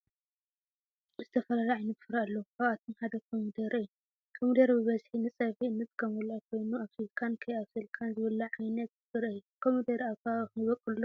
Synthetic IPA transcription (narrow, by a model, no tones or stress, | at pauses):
zɨt̪ʰɐfɐlalaʕajnɐt̪fɨɾaalːɐwkaβat̪ʰomħad̪ɐkʰomud̪ɐɾɨjːu | kʰomud̪ɐɾbɨβɐzħinɨt͡sʼɐfiɨnːɐt̪kʰɐmwɔlajkʰo̞jnuaβfizikʰankʰɐjaβsɨlkʼʰanzɨβɐlɐʕajnɐt̪fɨɾajːukʰomud̪ɐɾaβkʰaɨxβɐkʼɨllːo